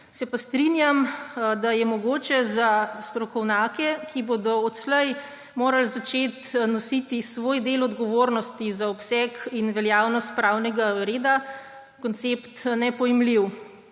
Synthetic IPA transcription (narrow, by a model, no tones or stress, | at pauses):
sɛpast̪ɾinjamd̪ajɛmɔɡoːt͡ʃɛzast̪ɾɔkɔwnjaːkɛkʰibod̪ɔɔt̪slɛj | moːɾalzat͡ʃeːt̪nɔsit̪isʋoːjd̪eːlɔd̪ɡɔʋoɾnɔst̪izaɔpsɛkinʋɛljaːwnɔst̪̚pɾawnɛɡaɾeːd̪a | kɔnt̪sept̪nɛpɔjɛmliw